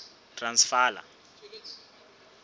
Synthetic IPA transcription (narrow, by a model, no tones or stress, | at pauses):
transfaːla̰